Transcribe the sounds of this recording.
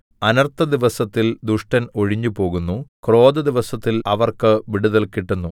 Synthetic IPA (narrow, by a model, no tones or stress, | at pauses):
ɐnɐrt̪ɐd̪iʋɐsɐt̪ːild̪uʂʈɐno̞ɻiɲːupo̞ːɣunːukro̞ːd̪ɐd̪iʋɐsɐt̪ːilɐʋɐrkɨʋiɽuðɐlkiʈːunːu